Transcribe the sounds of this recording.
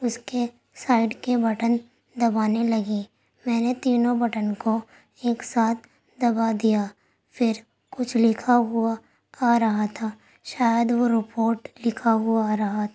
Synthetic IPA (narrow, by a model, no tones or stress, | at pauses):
ʊske | saːɪɖkebɐʈən | d̪ɐbaːnelɐɡi | mɛ̃ːnet̪iːnõbɐʈənko | eːksaːt̪̚ʰ | d̪ɐbad̪ija | fɪɾ | kʊt͡ʃʰlɪkʰaɦʊaː | ɾɐɦat̪ʰaː | ʃaːjəd̪ʋoɾɪpoːɾʈlɪkʰaɦʊaɾɐɦat̪ʰ